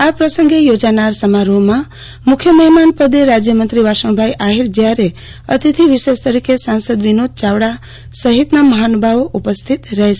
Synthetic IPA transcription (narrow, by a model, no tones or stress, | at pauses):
apɾəsəŋɡejod͡ʒanaɾsəmaɾomã | mukʰjəməɦɛmanpəd̪eɾad͡ʒjəmənt̪ɾiʋaʃəɳ̃bʱajʔaɦiɾd͡ʒjaɾe | ət̪it̪ʰiʋiʃest̪əɾikesansəd̪ʋinod̪̚t͡ʃaʋɽa | səɦit̪naməɦanbʱaʋoʔupəst̪ʰit̪ɾəɦe